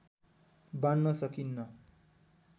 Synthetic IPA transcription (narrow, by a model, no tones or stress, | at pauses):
bannʌsʌkinːʌ